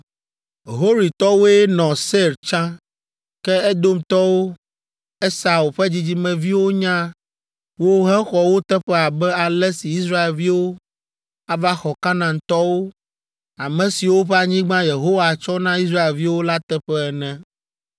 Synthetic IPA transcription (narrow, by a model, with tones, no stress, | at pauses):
ɦo˦ɾi˨t̪ɔ˦wo˦e˦nɔ̃˨se˦˨ɾt͡ʃã˦ | kɛ˦ɛ˦d̪o˦mt̪ɔ˦wo˦ | ɛ˦sa˨wu˨ɸɛ˦d͡ʑi˦d͡ʑi˦mɛ̃˨vi˦wo˦ɲã˦ | wo˦ɦɛ̃˦xɔ˨wo˦t̪ɛ˦ɸɛ˦a˨bɛ˦a˨lɛ˦si˨i˦sɾa˦e˨lvi˦wo˦ | a˦va˦xɔ˨kã˦nã˨ŋ˨t̪ɔ˦wo˦ | a˨mɛ̃˨si˨wo˦ɸɛ˦a˨ɲĩ˦ɡ͡bã˦je˨ɦo˦wa˨t͡ʃɔ˦nã˦i˦s̬ɾa˦e˨lvi˦wo˦la˦t̪ɛ˦ɸɛ˦ɛ˨nɛ̃˦